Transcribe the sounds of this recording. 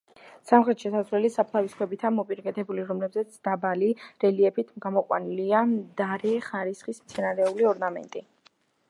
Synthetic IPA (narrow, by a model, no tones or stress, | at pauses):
samχɾɛt̪ʃɛsazvɛlisapʰlˠaviskʰwɛbit̪ʰamɔpʼiɾakʼɛt̪ʰɛbuliɾɔmlɛbzɛt̪sʰd̪̥abaliɾɛliɛpʰit̪ʰmɡamɔqʼwa̰niliad̪aɾɛχaɾisχismt̪sʰɛnaɾɛuliɔɾnamɛ̰nt̪ʼi